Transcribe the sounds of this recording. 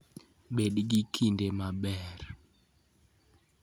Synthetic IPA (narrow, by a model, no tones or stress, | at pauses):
bedɡikʰindemabɛr